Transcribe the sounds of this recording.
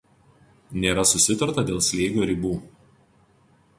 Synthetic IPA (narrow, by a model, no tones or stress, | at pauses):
nʲeːɾɐsʊsʲɪt̪ɐɾt̪ɐd̪ʲeːlˠsʲlʲeɪɡʲoːɾʲɪbuː